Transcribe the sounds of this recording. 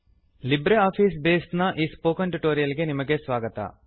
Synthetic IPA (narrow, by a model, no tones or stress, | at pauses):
libɾeaːfʰiːsbeːsʈnɐʔiːspoːkɐnʈuʈoːɾijɐliɡe̞nimɐɡe̞sʋaːɡɐt̪ɐ̰